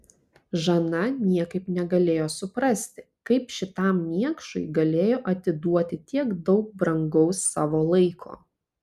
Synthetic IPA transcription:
ʒɐnɐnʲiɛkɐɪpnʲɛɡɐlʲeːjoːsʊpɾɐsʲt̪ʲɪ | kɐɪpʃʲɪt̪ɑˑmmʲiɛkʃʊɪɡɐlʲeːjoːʔɐt̪ʲɪd̪uɔt̪ʲɪt̪ʲiɛɡd̪ɒʊk̚bɾɐŋɡɐʊsːɑːʋoːlˠɐɪkʰo̰ː

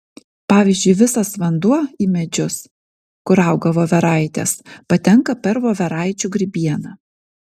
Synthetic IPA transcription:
pɑːʋʲiːzʲd͡ʒʲʊɪʋʲɪsɐsʋɐnd̪uɔiːmʲɛd͡ʒʲʊs | kʊɾɑˑʊɡɐʋoːʋʲɛɾɑˑɪt̪ʲḛːspɐt̪ʲɛŋkɐpʲɛɾʋoːʋʲɛɾɑˑɪt͡ʃʲuɡɾʲɪbʲiɛnɐ

